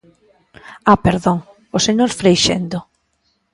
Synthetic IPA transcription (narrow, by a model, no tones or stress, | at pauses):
apeɾðoŋ | oseɲoɾfɾejʃḛnd̪o